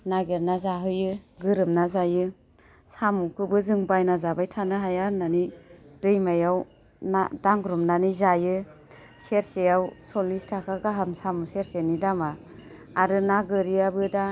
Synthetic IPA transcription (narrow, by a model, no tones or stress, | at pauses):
naɡeɾnazaɦɯjɯɡɯɾɯmnazajɯ | samukʰɯbɯzɯŋbajnazabajtʰanɯɦajananid̥ɯjmajaw | nadaŋɡɾumnanizajɯ | seɾsejawsɔlistʰakʰaɡaɦamsamuseɾsenidamaː | ɾɯnaɡɯɾiabɯda